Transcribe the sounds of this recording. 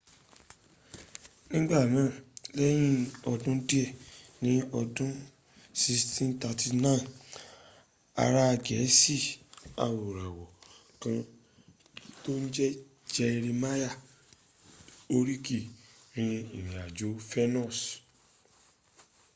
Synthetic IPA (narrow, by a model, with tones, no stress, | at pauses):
nĩ˦ɡ͡ba˦˨nãː˨˦˨lɛ˦j̃ĩ˦ɔ˧dũ˦di˦ɛ˦˨nĩ˦ɔ˧dũ˦ | si˧stĩ˦n˦ta˧ti˧nã˦˨ | a̰˧ɾa˦˧ɡɛ˨˦si˦˨a̰˨wo˨ɾa˨wɔ˨ | kã˧ | to˦n̩˦d͡ʒɛ˦ | d͡ʒɛ˧i˧ɾi˧ma˦ja˦˨ | o˧ɾi˦ki˦˨ɾĩ˧i˨nĩ˨a˨d͡ʒo˨˦fɛ˦nɔ̃˦˨s